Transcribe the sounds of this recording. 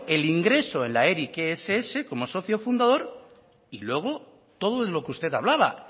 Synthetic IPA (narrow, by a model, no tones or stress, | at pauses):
e̞liŋɡɾe̞so̞e̞nlaeɾikeeseese̞ko̞mo̞so̞θjo̞fund̪að̞o̞ɾ | ilwe̞ɣ̞o̞ | t̪o̞ð̞oðelokeust̪e̞t̪aβ̞laβ̞a̰